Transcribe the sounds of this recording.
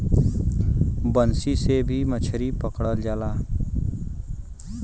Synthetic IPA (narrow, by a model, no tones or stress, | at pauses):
bənsisebʱimət͡ʃʰɾipəkɽəld͡ʒaːlaː